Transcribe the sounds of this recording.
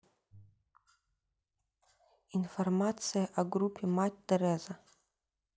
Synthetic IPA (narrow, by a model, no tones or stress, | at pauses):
informat̪sɨjɐʔaɡrupʰʲːematʲd̪ɛɾɛzɐ